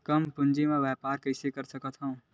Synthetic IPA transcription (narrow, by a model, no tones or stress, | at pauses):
kɐmpʊ̃nd͡ʒemẽʋɛːpaːɾkɐɪsekɐɾsɐkət̪ɦɐũ